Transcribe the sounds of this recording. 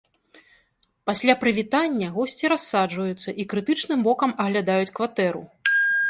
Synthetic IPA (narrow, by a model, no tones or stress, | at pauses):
pasʲlʲapɾɨvʲit̪anʲːɐɣɔsʲt͡sʲiɾasːad͡ʐvɐjut̪sːɐʔikɾɨt̪ɨt͡ʂnɨmbɔkɐmɐɣlʲad̪ajut͡sʲkvat̪ɛɾṵ